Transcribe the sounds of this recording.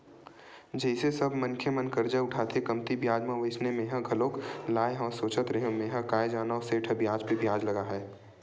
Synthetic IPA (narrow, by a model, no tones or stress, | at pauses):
d͡ʒɐisesɐbʱmɐ̃nkʰemɐnkɐɾd͡ʒaʊʈʰaːt̪ʰekɐmt̪ibjaːd͡ʒmãʋeːsnemẽːɦɐ̃ɡʱɐloːklaːjɦɔːsoːt͡ʃət̪ɾeɦẽmẽːɦɐ̃kaːed͡ʒaːnaoseːʈʰɐbjaːd͡ʒbʱibjaːd͡ʒlɐɡaɦɛː